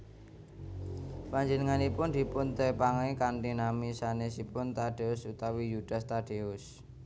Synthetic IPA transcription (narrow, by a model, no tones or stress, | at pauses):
paɲd͡ʒənəŋanipʊnd̪̥i̤pʊnt̪epaŋaikand̪inamisanesipʊnt̪aɖ̥eʊsut̪awijud̪̥ast̪aɖ̥eʊs